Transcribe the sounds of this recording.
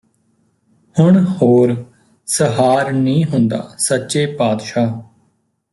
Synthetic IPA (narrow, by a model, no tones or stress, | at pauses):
hʊɳhoːɾ | səɦaːɾnĩːɦʊnd̪a̰ːsətːʃeːpaːd̪ʃaː